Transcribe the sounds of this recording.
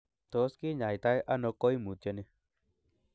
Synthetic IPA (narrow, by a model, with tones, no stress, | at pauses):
t̪o˨˦ski˦ɲa˨jt̪a˦jʔa˦nɔ̃˧ko˦i˦mũ˨t̪e˧ni˧